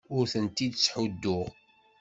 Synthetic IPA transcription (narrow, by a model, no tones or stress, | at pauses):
ʊɾθənt̪id̪t͡sːħud̪ːʊʁ